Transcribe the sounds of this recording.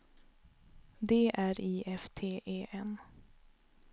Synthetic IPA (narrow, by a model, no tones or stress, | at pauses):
d̪eːʔæːɾiːʔɛft̪ʰeːʔeːʔɛn